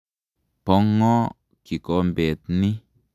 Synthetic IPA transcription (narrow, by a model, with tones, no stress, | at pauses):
pɔ˦ŋːɔ˦ | ki˨ko˦mbe˨t̪̚ni˦